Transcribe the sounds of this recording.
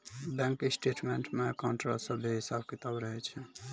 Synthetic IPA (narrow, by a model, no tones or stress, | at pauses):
bɛ̃ŋkesʈeʈmeɳʈmekəɳʈɾolsəbʱeɦisabkit̪əbɾəɦɛt͡ʃʰɛ